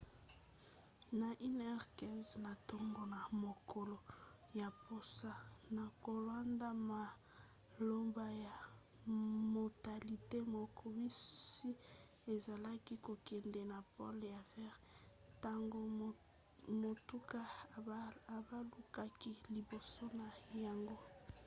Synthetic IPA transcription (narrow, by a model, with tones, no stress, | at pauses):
na˨ʔi˦nɛ˦ʁkɛ˦nzna˨to˦ŋɡo˨na˨mo˨kʰo˨lo˨ | ja˨po˨sa˦na˨ko˨lwa˦nda˦ma˨ | lo˦mba˦ja˨ | mo˨ta˨li˨te˦mo˨kʰo˨bi˦si˦e˨za˨la˦ki˦ko˨kɛ˨ndɛ˨na˨pɔ̰˦lja˨vɛ˦ʁ | ta˦ŋɡo˦˨ | mo˨tu˦ka˦ | a˨ba˦lu˨ka˦ki˦li˨bo˨so˦na˨ja˨ŋɡo˦